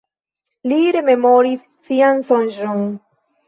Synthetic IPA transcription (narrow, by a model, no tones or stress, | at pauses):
liɾe̞me̞moɾisːiansonʒon